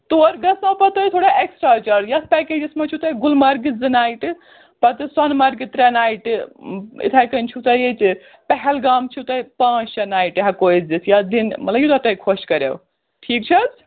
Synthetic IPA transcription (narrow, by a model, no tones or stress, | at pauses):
t̪oɾɡɐsmapɐt̪ɐjt̪ʰoːɽaeksʈɾat͡ʃɐɾjɐspɛked͡ʒismat͡ʃʰut̪ɐjɡulmɐɾɡizɨnaːjʈɨ | pɐt̪ɨsɐnmɐɾɡit̪ɾenaːjʈɨḭt̪ʰajkɐnt͡ʃʰut̪ɐjet | pɛɦɛlɡamt͡ʃʰut̪ɐjpãːt͡ʃʰt͡ʃɐnaːjʈɦakoid͡ʒdisjad̪inmɐt̪lɐbjut̪at̪ɐjkʰoskɐɾḛw | ʈʰiːk̚t͡ʃʰɐz